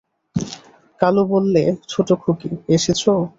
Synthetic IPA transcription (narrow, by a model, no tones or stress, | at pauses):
kalobolːet͡ɕʰoʈokʰukieʃet͡ɕʰo